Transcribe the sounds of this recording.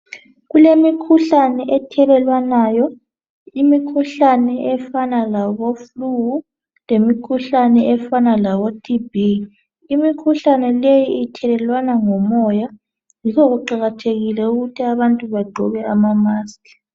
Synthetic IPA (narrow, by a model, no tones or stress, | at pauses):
ɣulemikʰuɬanɛʔɛtʰɛlɛlwanaːjɔ | imikʰuɬanɛʔɛfanalaβofluɣu | lemikʰuɬanɛɛfanalaβotʰʼibi | imikʰuɬanɛlejiitʰɛlɛlwanaŋɔmɔja | jikʰɔɣuǃaɣatʰeɣilɛuɣutʰiaβantʼuβaɡ͡ǃʱɔβɛamamaːskḁ